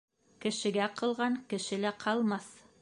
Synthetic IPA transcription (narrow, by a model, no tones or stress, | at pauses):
kɘ̆ʃɘ̆ɡæqɤ̆lˠʁɑŋkɘ̆ʃɘlæqʰɑlˠmɑθ